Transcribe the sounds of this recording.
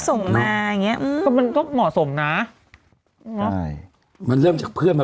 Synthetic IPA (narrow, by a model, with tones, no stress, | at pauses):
so˨˩˦ŋmaː˧a˨˩ŋi˦˥ɐʔɯː˧ɔ˥˩ma˧nt̪ɔ˥˩ŋmɔː˨˩so˩˦mna˦˥ | nɔ˦˥j | ma˧nɾɤː˥˩mt͡ɕaː˨˩k̚pʰɯ˥˩ənba˧